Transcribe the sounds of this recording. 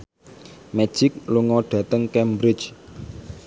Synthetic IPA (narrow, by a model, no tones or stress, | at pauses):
mɛ̥d͡ʒ̥ɪk̚luŋɔɖ̥ä̤t̪əŋkɛmbɾɪ̥t͡ʃ